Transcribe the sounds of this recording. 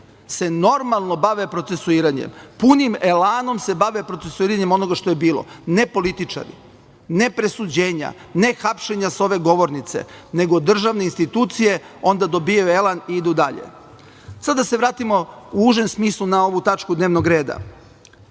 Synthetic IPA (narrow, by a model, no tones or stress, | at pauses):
se̞no̞ɾmalˠno̞baʋe̞pɾo̞t̪se̞suiːɾaɲḛmpunimelaːno̞mse̞baʋepɾotsesuiːɾaɲe̞mono̞ɡaʃt̪o̞jebiːlo̞̰ne̞po̞lit̪it͡ʂa̰ɾḭ | ne̞pɾe̞sud͡ʑe̞ːɲa̰ | ne̞xapʃeɲaso̞ʋe̞ɡo̞ʋo̞ɾnit̪se̞̰ne̞ɡod̪r̩ʒaʋne̞inst̪it̪uːt̪sije̞ | o̞nd̪ad̪o̞bijajue̞laniid̪ud̪aʎḛ | sad̪ase̞ʋɾaːt̪imo̞uuʒe̞msmiːslˠunao̞ʋut̪at͡ʃkud̪neːʋnoɡɾe̞ːd̪a̰